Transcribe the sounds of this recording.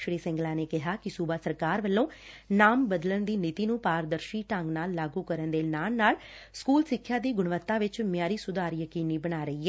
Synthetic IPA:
ʃɽiːsɪ̃ŋɡlaːneːkɪɦaːkɪsuːbaːsəɾkaːɾʋəlːõː | naːmbəd̪lənd̪iːnɪt̪iːnũːpaːɾd̪əɾʃiːʈə̃ŋɡnaːlːaːɡuːkəɾənd̪eːnaːlnaːl | skuːlsɪkʰːjaːd̪iːɡʊɳʋət̪ːãːʋɪt͡ʃmɪjaːɾiːsʊd̪aːɾjəkiːniːbəɽ̃aːɾəiːɛː

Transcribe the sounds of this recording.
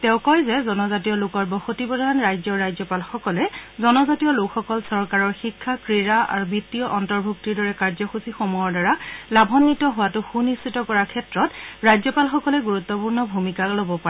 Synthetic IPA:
tɛʊ̃kɔjzɛzɔnɔzatijɔlʊkɔɹbɔxotibɔdʱanɹajzɔɹajzɔpalxɔkɔlɛzɔnɔzatiɔlʊkxɔkɔlsɔɹkaɹɔɹxikʰːakɹiɹaa̰ɹubitiɔʔɔntɔɹbʱuk̚tiɹdɔɹɛkaɹzɔxusixomujɔɹdɔɹalabʱɔnːitɔɦʊwatʊxunistitɔkɔɹakʰɛtɹɔtɹajzɔpalxɔkɔlɛɡuɹut̪ːɔpuɹnɔbʱumikalobɔpaɹɛ

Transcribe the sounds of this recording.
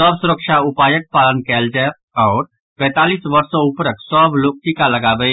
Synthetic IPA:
səbsʊɾəkʃaʊpaːjək̚paːlənkɛːld͡ʒa | ɔːɾ | pɛ̃ːt̪aːliːsʋəɾsõʊpɾəksəbloːk̚ʈ̪ikaləɡaːbəe

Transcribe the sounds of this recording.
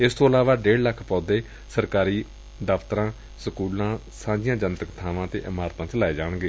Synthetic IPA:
ɪst̪ʰoːəlaːʋaːɖeːɽləkʰːpɔːd̪eː | səɾkaːɾiː | d̪əft̪əɾãː | səkuːlãː | sãːd͡ʒɪjãːd͡ʒənt̪əkt̪ʰaːʋãːt̪ḛːʔɪmaːɾt̪ãːt͡ʃəlaːeːd͡ʒaːɽɡeː

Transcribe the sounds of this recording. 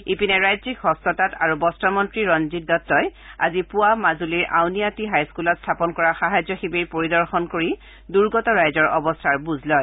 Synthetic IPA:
ipinɛɹajzikɦɔstɔtata̰ɹubɔstɔmɔntɹiɹɔnzit̚dɔtːɔja̰zipuamazuliɹʔa̰wnijatiɦajskulɔtstʰapɔnkɔɹaxaɦazjɔxibiɹpoɹidɔɹxɔnkoɹi | duɹɡɔtɔɹajzɔɹɔbɔstʰaɹbuzlɔj

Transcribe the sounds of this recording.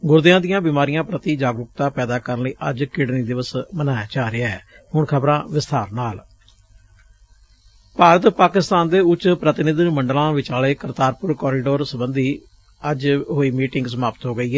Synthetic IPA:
ɡʊɾd̪ɪjãːd̪ɪjãːbɪmaːɾijãːpɾət̪iːd͡ʒaːɡɾʊk̚t̪ãːpɛːd̪aːkəɾənləiːʔəd͡ʒkɪɽniːd̪ɪʋəsmənaːjaːt͡ʃaːɾɪaːɛː | ɦʊɳkʰəbɾãːʋɪst̪aːɾnaːl | paːɾət̪paːkɪst̪aːnd̪eːʊt͡ʃːpɾət̪ɪnɪd̪məɳɖəlãːʋɪt͡ʃaːleːkəɾt̪aːɾpʊɾkɔːɾiːɖoːɾsəbənd̪iː | əd͡ʒɦoːiːmiːʈɪŋɡsəmaːpət̪ɦoːɡəiːɦɛː

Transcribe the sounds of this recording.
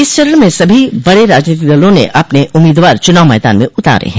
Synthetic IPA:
ɪst͡ʃɐɾəɳmẽsɐbʱibɐɽeɾaːd͡ʒniːt̪̬id̪ɐlõnḛʔɐpneʔʊmːiːd̪ʋaːɾt͡ʃʊnaːʋmɛːd̪a̰ːnmẽʔʊt̪a̰ːɾḛɦɛ̃ː

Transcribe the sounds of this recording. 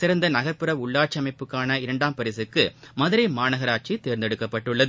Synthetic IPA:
sɪɾɐnd̪ɐnɐɣɐɾpɯɾɐʋʊɭːaːʈ̚t͡ʃːiɐmɐɪpːɯkːaːnɐɪɾɐɳɖaːmpɐɾɪsɯkːɯmɐðɯɾɐɪmaːnɐɣɐɾaːt͡ʃit̪eːɾnd̪ɛɽɯkːɐpːɐʈːɯɭːɐðɯ

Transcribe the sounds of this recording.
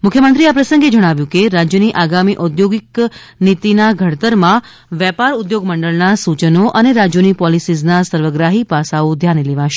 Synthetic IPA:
mʊkʰjəmənt̪ɾiapɾəsə̃ŋɡed͡ʒəɽ̃aʋjũkeɾad͡ʒjəniʔaɡamiʔɔd̪joɡiknit̪inaɡʱəɽt̪əɾmã | ʋɛpaɾud̪joɡməɳɖəɭnasut͡ʃənoʔəneɾad͡ʒjonipɔlisiznasəɾʋəɡɾaɦipasaod̪ʱjanleʋaʃe

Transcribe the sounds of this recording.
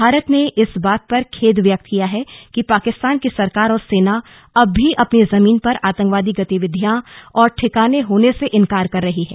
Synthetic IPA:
bʱaːɾət̪neʔɪsbaːt̪̚pɐɾkʰeːd̪ʋjək̚t̪kijaɦɛkipaːkɪst̪aːnkisɐɾkaːɾɔːɾseːna | ɐbʱːiʔɐpnezɐmiːnpɐɾaːt̪ə̃ŋkʋaːd̪iɡɐt̪iʋɪd̪ʱjãɔːɾʈʰɪkaːneɦoːneseʔɪ̃nkaːɾkɐɾːɐɦiɦɛ̰ː

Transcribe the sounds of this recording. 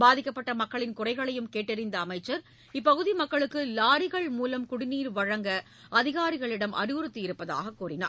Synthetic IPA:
baːðɪkːɐpːɐʈːɐmɐkːɐɭɪnkʊrɐɪɣɐɭɐjɯmkeːʈːɪɾɪnd̪ɐːmɐɪt͡ʃːɐɾ | ɪpːɐɣɯðimɐkːɐɭɯkːɯlaːɾɪɣɐɭmuːlɐmkʊɽɪniːɾʋɐɻɐŋɡɐ | ɐðɪɣaːɾɪɣɐɭɪɽɐmʔɐ̰rɪʋɯɾɯt̪ːɯɪɾɯpːɐða̰ːɣɐkːuːrɪna̰ːɾ

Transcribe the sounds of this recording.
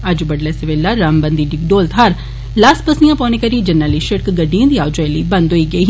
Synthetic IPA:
əd͡ʒbəɖlɛːsəʋelːaːɾambənd̪iːɖɪɡɖoːlt̪ɦaɾ | laːspəsijãːpɔ̃ːnẽːkəɾiːd͡ʒənːaːliːʃəɽkɡəɖijãːd̪iːaːʋd͡ʒɔɛliːbənd̪ɦoiːɡəi

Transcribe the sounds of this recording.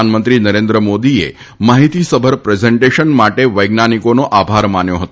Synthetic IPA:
anmənt̪ɾinəɾend̪ɾəmod̪iḛ | maɦit̪isəbʱəɾpɾezeɳʈeʃənmaʈeʋəjɡnanikonoʔabʱaɾmanjoɦət̪o

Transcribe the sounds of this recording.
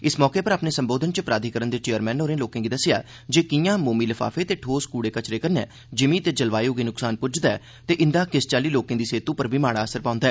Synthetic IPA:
ɪsmɔːkeːpəɾaːpneːsəmboːd̪ʱənt͡ʃəpɾaːd̪ʱiːkəɾənd̪eːt͡ʃeːəɾmɛ̃ːnoːɾẽːloːkẽːɡiːd̪əsɪja̰ː | d͡ʒeːkɪjãːmoːmiːləfʰa̰ːfʰeːt̪eːʈʰoːskuːɽeːkət͡ʃɾeːkəɾnɛ̰ː | d͡ʒɪmiːt̪eːd͡ʒəlʋaːjoːɡiːnʊksaːnpʊd͡ʒd̪aː | t̪eːʔɪnd̪aːkɪst͡ʃaːliːloːkẽːd̪iːseːt̪ũːpəɾbʱiːmaːɽaːəsəɾpãːʊ̃nd̪aːɛː

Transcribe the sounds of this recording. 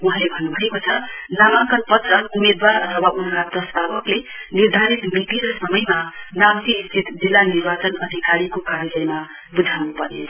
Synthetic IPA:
uɦãlebʱʌnːubʱʌekot͡sʰʌnamaŋkʌnpʌt̪rʌumed̪waɾʌt̪ʰʌwaʔunkap̪ɾʌst̪abʌkleniɾd̪ʱaɾit̪mit̪iɾʌsʌmʌjmanamt̪iːst̪it̪d͡zilːanirbat͡sʌnʌd̪ʱikaɾikokaɾjʌlʌjma | bud͡z̪ʱawnupʌɾne

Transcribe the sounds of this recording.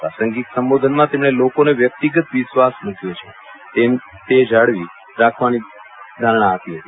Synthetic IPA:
pasəŋɡiksəmʋod̪ʱənmãt̪emɳ̃elokoneʋjək̚t̪iɡət̪ʋisʋasmũkʰjot͡ʃʰe̥ | t̪e | t̪ed͡ʒaɽʋi | ɾakʰʋani | d̪ʱalɳaːt̪iɦət̪i

